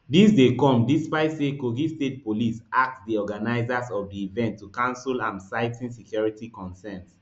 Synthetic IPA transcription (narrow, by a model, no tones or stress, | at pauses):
disdekɔ̃mdispaɪtsekoɡistet̚polisak̚tdiɔɡanaɪzasɔvdiːvɛ̃ntʰːukãnslãnsaɪtʰĩnsikʰjɔɹitikɔ̃nsɛ̃nt